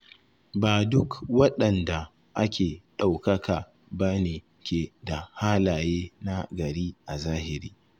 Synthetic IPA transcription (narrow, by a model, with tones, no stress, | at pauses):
baː˨dʊ˦kwɐ˦ɗɐ˨nda˨ | ʔa˦kʲeː˨ɗa˨wkɐ˦kʰaː˨ | ba˦neː˨ | kʲeː˨da˨haː˦laː˨jeː˦na˦ɡɐ˨ɽiː˦ʔa˨zaː˦hɪ˨ɾiː˦